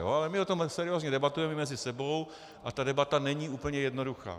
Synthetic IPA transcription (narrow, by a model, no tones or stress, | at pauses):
jo̰alɛmɪot̪o̞msɛɾɪoːzɲɛdɛbat̪ujɛmɛmɛzɪsɛbo̞w | ʔat̪adɛbat̪anɛɲiːuːpl̩ɲɛjɛdno̞duxa̰ː